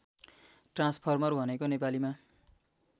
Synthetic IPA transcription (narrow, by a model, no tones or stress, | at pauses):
ʈrãnspʰʌrmʌrbʱʌnekonepalima